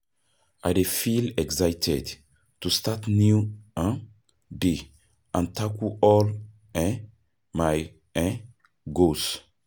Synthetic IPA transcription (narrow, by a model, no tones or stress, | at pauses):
ʔajdefilɛksajtʰɛd | tustatniuãn | de | ʔãntʰakuɔl | ɛ | maj | ɛ̃ | ɡos